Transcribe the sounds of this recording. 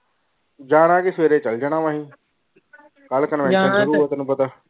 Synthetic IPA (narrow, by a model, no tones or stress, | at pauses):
d͡ʒaːɽ̃ãːkɪsʋeːɾeːt͡ʃəld͡ʒəɽ̃aːʋãːɦĩː | kəlkənmɛ̃ːẽʃəɾuːt̪ːnũːpət̪aː